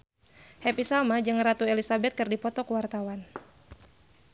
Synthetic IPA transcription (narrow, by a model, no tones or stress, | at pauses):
hɛpisalmad͡ʒɨŋrat̪uelisabɛt̪̚kɨrdipɔt̪ɔkəwart̪awan